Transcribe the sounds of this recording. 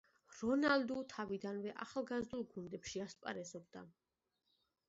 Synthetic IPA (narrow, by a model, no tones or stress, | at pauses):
ɾɔnalˠd̪ut̪ʰavid̪anvɛʔa̰χlˠɡazd̪ulˠɡund̪ɛpʃiaspʼa̰ɾɛzɔbd̪a̰